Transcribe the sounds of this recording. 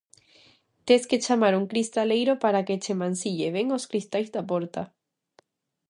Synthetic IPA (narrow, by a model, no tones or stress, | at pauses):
t̪esket͡ʃamaɾuŋkɾist̪alejɾopaɾaket͡ʃemãnsiʎeβeŋoskɾist̪ajzd̪apoɾt̪a